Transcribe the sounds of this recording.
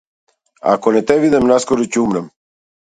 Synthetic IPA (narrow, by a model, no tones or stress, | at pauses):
a̰kɔnɛt̪ɛvid̪ɛmnaskɔɾɔcumɾɛm